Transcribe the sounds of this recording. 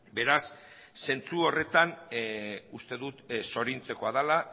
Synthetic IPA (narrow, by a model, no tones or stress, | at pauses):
be̞ɾasː | e̞nt͡suo̞re̞t̪an | ust̪e̞ðut̪so̞ɾint͡se̞ko̞aðala